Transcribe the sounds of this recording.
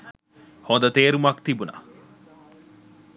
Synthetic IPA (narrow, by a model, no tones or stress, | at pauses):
hond̪ət̪eːɾumɐkt̪ibunɐ̰